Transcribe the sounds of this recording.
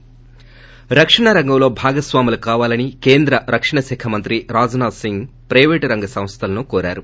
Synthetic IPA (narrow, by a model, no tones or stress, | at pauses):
ɾɐkʂɐɳɐɾɐŋɡɐmlo̞ːbʱaːɡɐsʋaːmulɐkaːʋaːlɐnike̞ːnd̪ɾɐɾɐkʂɐɳɐsɛkʰɐmɐnt̪ɾiɾaːd͡ʒɐnaːd̪siŋɡpɾɐjʋeːʈɾɐŋɡɐsɐ̃mst̪ʰɐlɐnukoːɾa̰ːɾu